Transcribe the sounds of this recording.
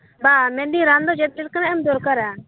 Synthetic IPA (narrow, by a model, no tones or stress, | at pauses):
bamɛ̃ɖiɾand̪ɔd͡ʒɛt̪̚d͡ʒɛʈ̚kanaɛmd̪ɔɾkaɾa